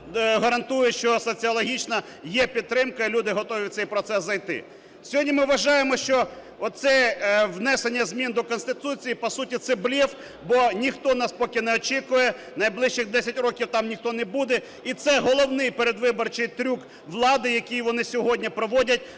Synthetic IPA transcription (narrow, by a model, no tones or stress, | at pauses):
ɦɐɾɐnt̪ujɛʃt͡ʃɔsɔt͡sʲiɔlˠɔɦʲit͡ʃnɐ | jɛpʲidt̪ːɾɪmkɐilʲud̪ɪɦɔt̪ɔʋʲit̪sɛjpɾɔt̪sɛszːɐjt̪ɪ̰ | sʲɔɦɔdʲnʲimɪʋɐʒɑjemɔʃt͡ʃɔ | ɔt̪sɛwnɛsenʲːɐzʲmʲind̪ɔkɔnst̪ɪt̪ut͡sʲijipɔsutʲit̪sɛblʲiw | bɔnʲixt̪ɔnɑspɔkʲɪnɛɔt͡ʃikʊjɛ | nɐjblˠɪʃt͡ʃɪxd̪ɛsʲɐtʲɾɔkʲiwt̪ɑmnʲixt̪ɔnɛbud̪ɛ | it̪sɛɦɔlˠɔwnɪjpeɾed̪ʋɪbɔrt͡ʃɪjt̪ɾʲuk | ʋlˠɑd̪ɪjɐkʲijʋɔnɪsʲɔɦɔdʲnʲipɾɔʋɔdʲɐt̚ʲ